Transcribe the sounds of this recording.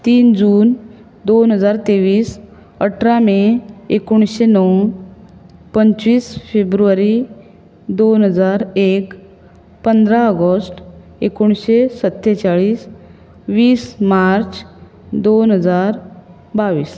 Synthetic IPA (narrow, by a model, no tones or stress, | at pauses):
t̪iːnd͡ʑuːn | d̪onɦəd͡zaɾt̪eʋiːs | əʈʰɾameekuɳ̃ɕenəw | pəɲt͡ɕʋiːsfebɾuʋaɾi | d̪onɦəd͡zaɾek | pənd̪ɾaəɡəsʈ | ekuɳɕesət̪ːet͡ɕaɭiːs | ʋiːsmaɾt͡s | d̪onɦəd͡zaɾ | baʋiːs